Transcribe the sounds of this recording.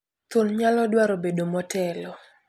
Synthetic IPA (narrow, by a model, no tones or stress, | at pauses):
t̪ʊnɲalɔdwaɾobedomɔtɛlɔ